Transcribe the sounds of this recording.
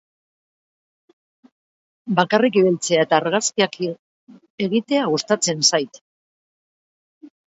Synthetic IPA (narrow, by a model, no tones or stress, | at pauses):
bakarikiβelt͡se̞ae̞t̪aːɾɣaskiak | e̞ɣit̪e̞aɣust̪at͡se̞nsajt̪